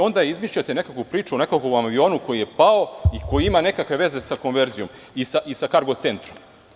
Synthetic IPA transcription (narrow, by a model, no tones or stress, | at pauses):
o̞nd̪aeizmiʃʎat̪ene̞kakupɾiːt͡ʃuone̞kakouambio̞ːnuko̞jije̞pao̞iko̞jiimane̞kakʋe̞ʋe̞ze̞sako̞nʋeɾzijo̞m | isaʔisakaɾɡo̞t̪sent̪ɾom